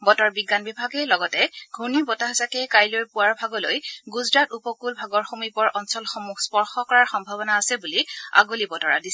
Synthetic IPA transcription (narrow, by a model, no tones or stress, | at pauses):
bɔtɔɹbiɡːanbibʱaɡɛlɔɡɔtɛɡʱunibɔtaɦazakɛkajlojpʊwaɹbʱaɡɔlo̰jɡuzɹatupɔkulbʱaɡɔɹxomipɔɹʔɔnsɔlxɔmuxʰspɔɹxɔkɔɹaɹxɔmbʱabɔnaːsɛbulia̰ɡolibɔtɔɹa̰disɛ